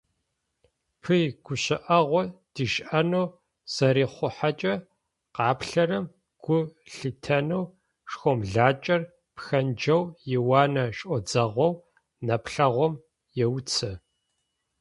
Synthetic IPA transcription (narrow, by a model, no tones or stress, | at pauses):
pʰɨjɡ̥ʷʊɕɪʔɐʁʷɔd̥iʃʔɐnɐw | z̥ɐɾiːχʷʊħat͡ʃʼɐ | qɑːpɬɐrɐm | ɡ̥ʷʊɬɨtʰɐnɐw | ʂxʷɔmɮaːt͡ʃʼɐr | pxɐnd͡ʒɐwjɪwɑːnɐɕʼʔʼɔd͡zɐʁʷɔw | nɐpɬɐʁʷɔm | jɛwt͡sʰɐ